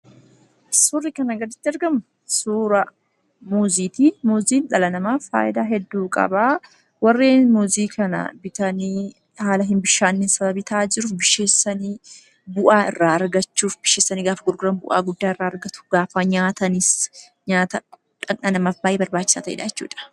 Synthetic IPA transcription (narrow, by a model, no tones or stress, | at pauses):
sʊrːɪkɐnɐɡɐd̪ɪt̪ːɪɐɾɡɐmʊ | suːɾɐ | muːziːt̪imuːziːnᶑɐlɐnɐmaːfa̰ːʔɪd̪aːɦɛd̪ːuːkʼɐ̰baː | wɐrːeːnmuːziːkʰɐnɐ̰bɪt̪ɐniː | haːlɐɦɪnbɪʃːaːnːɪnsɐβɐbit̪ʰaːd͡ʒɪɾʊfbɪʃːe̞ːsːɐniː | bʊʔaːɪrːaːɐɾɡɐt͡ʃːuːfbɪʃe̞ːsːɐniːɡaːfɐɡʊɾɡʊɾɐnbʊʔa̰ːɡʊd̪ːaːɪrːaːɐɾɡɐt̪ʊ̥ɡaːfaɲaːt̪ɐnɪs | ɲaːt̪ɐ | ᶑɐnɐnɐmafbaːʔeːbɐɾbaːt͡ʃːɪ̥sa̰ːt̪ɐʔɪ̰ᶑa̰jɛt͡ʃːṵːᶑɐ̥